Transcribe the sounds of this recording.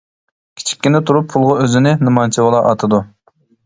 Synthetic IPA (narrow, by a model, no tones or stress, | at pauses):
kʲʰi̥t͡ʃʰi̥kʲːinɪt̪ʰuɾupʰːulˠʁɑøzɪnɪnɨmɑnt͡ʃʰibolˠɑʔɑt̪ʰɨd̪u